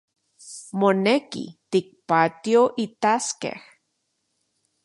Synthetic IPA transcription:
monekḭt̪ik̚pat̪ioʔit̪askḛh

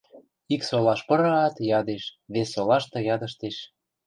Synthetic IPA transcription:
iksolɑʃpɤ̆ɾɑɑt̪jɑd̪eʃβesːolɑʃt̪ɤ̆jɑd̪ə̆ʃt̪eʃ

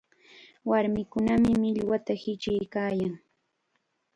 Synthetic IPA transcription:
waɾmɪkʊnamɪmɪʎwat̪ahɪt͡ʃɪjkaːjaŋ

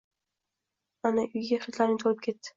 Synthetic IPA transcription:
anaʔʊjɡʲaχɾɪt̪laɾɪnɪt̪ʰolɪp̚kʰʲe̞t̪ːɪ̥

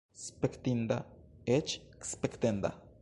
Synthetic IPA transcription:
spekt̪ind̪aet͡ʃkspekt̪end̪a̰

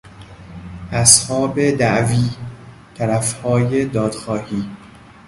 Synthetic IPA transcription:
ʔæshɒːbed̪æʔviː | t̪ʰæɾæfhɒːjed̪ɒːd̪̥xɒːhiː

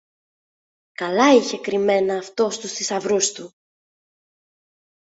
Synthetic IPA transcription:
kɐlɐiçe̞kɾime̞nɐːft̪o̞st̪ust̪isɐvɾust̪u

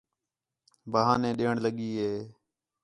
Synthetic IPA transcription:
bəːɦãːnẽːɗeːɳləɠiːɦeː

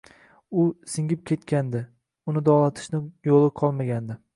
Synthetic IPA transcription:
ʊsɪŋʲɪp̚kʲʰe̞t̪kʲand̪ɪ | ʊnɪd̪ɒlˠat̪ʰɪ̥ʃnɪjolˠɪqʰɒlˠmaɡʲand̪ɪ

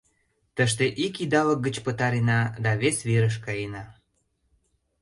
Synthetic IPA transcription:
t̪əʃt̪eʔikid̪ɑlək̚ɡət͡ɕpət̪ɑɾinɑd̪ɑβesβeɾəʃ̬kɑjenɑ

